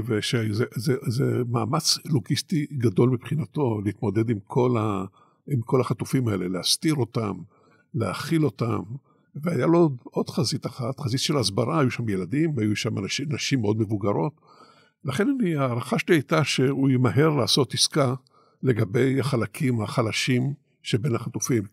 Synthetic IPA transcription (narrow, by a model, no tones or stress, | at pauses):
veʃezezezemaːmat͡sloɡist̪iɡado̞lmipχinato̞leiːt̪mo̞d̪e̞d̪imkʰo̞la | imkʰo̞laχat̪ufimae̞le̞least̪iʁo̞tam | leaχilo̞tam | veajalodo̞d̪χazit̪aχat̪χazitʃelasbaʁaajuʃamjeladimajuʃamanaʃinaʃimːeo̞d̪me̞vuɡaʁo̞t | laχe̞naniaːʁaχaʃeliajtaʃe̞uimaɦe̞ʁlaːso̞tiska | le̞ɡabe̞jaχalakʰimaχalaʃim | ʃebe̞nhaχatufim